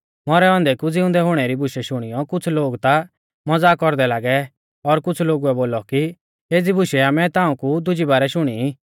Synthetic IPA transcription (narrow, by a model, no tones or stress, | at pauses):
mɔɾɛɔ̃ːnd̪ɛkud͡zɪ̃ʊ̃nd̪ɛɦʊɽ̃ɛɾibʱʊʃɛʃʊɽ̃ijɔkʊt͡sʰloːɡt̪a | mɐd͡zaːkɔɾd̪ɛlaːɡɛ | ɔɾkʊt͡sʰloːɡuɛboːlɔki | eːd͡zibʱʊʃɛamɛ̃t̪ãːũkud̪ʊd͡ʒibaːɾɛʃʊɽ̃i